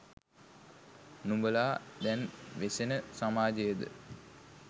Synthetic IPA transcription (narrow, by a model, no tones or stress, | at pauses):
numbəlaːd̪ɛnʋesenəsamaːd͡ʒəjəd̪ə̰